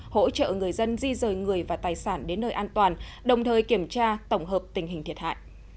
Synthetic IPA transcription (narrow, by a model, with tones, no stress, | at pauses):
ho̰˧˥t͡ɕə̰ː˧˨ŋɨ˨˩əjzə˧nzi˧zəː˨˩jŋɨ˨˩əjvaː˨˩t̪aː˨˩jsaː˧˩nɗe˨˦nːəː˧jʔaː˧nt̪waː˨˩nɗə˨˩wŋ͡mt̪ʰəː˨˩jki˧˩əmt͡ɕaː˧t̪ə˧˩wŋ͡mɦəː˨˩p̚t̪ï˨˩ŋ̟ɦi˨˩ŋ̟t̪ʰi˨˩ət̚ha̰ː˧˨jʔ